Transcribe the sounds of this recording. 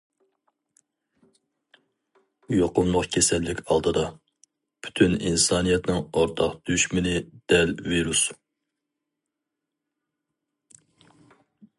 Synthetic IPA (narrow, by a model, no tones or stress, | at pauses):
ujoqʊmlˠʊqkʲʰesɛlːɪkʲʰɑlˠd̪ɨd̪ɑ | pʰy̥t̪ʰyninsɑːnijɛt̪nɪŋoɾt̪ʰɑqd̪̥yʃmɪnɪd̪̥ɛlviɾus